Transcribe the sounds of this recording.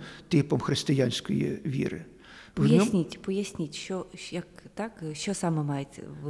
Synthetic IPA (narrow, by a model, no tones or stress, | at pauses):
t̪ɪpɔmxɾɪst̪ɪjanʲsʲkɔjḭʋʲḭɾɪ̰ | pɔjnʲsnʲitʲpɔjɐsʲnʲitʲʃt͡ʃɔjɐkt̪ɑkʃt͡ʃɔsɑmɛmɑjet͡sʲ